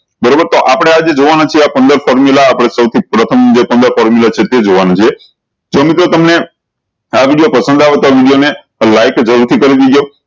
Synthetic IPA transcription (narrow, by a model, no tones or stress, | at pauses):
bəɾobəɾt̪oʔapəɽ̃ead͡ʒed͡ʒoʋanat͡ʃʰieapənd̪əɾfɔɾmulaːpəɽ̃esəwt̪ʰipɾət̪ʰəmd͡ʒepənd̪əɾfɔɾmjulat͡ʃʰet̪ed͡ʒoʋanat͡ʃʰie | d͡ʒomit̪ɾot̪əmne | aʋiɽijopəsə̃nd̪aʋet̪oaʋiɽijone | lajkd͡ʒəɾuɾt̪ʰikəɾid̪id̪jo